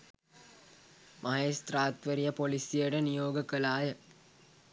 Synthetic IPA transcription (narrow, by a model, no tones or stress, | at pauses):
mʔaɦest̪ɾaːt̪ʋeɾijəpolisijəʈənijoːɡəkəlaːjə